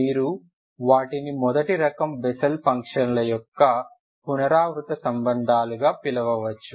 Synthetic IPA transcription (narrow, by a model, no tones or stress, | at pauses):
iːɾu | ʋaːʈinimɔd̪ɐʈiɾɐkɐmbɛsɐlpɐŋkʂɐnlɐjɔkːɐ | punɐɾaːʋɾut̪ɐsɐmbɐnd̪ʱaːluɡaːpilɐʋɐʋɐt͡ʃːu